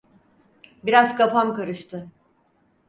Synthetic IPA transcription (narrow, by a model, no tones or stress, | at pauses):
biɾazkʰafamkaɾɯʃt̪ʰɯ